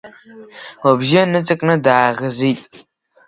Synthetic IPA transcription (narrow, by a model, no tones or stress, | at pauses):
wɐbʒɐnɨt͡sʼɨkʼnɐdaːʁɐziːtʼ